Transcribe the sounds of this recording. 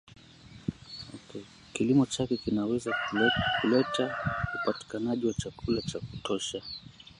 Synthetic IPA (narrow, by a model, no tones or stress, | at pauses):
ɔkɛ | kilimɔt͡ʃakɛkinawɛzakulɛtaupati̥kanaʄiwat͡ʃakulat͡ʃaku̥tʰɔʃa